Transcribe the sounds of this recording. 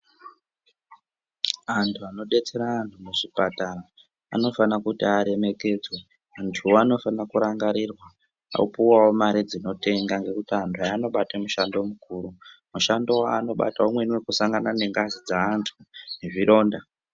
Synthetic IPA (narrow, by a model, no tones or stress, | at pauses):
antʰuano̞ɗe̞t͡se̞ɾaːntʰuneʐipatara | a̰no̞fanakutiaɾe̞me̞ke̞d͡zwe | antʰuoano̞fanakuɾaŋɡaɾirwa | a̰ṵpuwawomaɾid͡zino̞te̞ŋɡaŋɡe̞kutiantʰuajano̞ɓatemuʃando̞mukuɾumuʃando̞waːno̞ɓa̰taomwe̞nwekusaŋɡanane̞ŋɡazid͡zaːntʰuneʐiɾo̞ːnda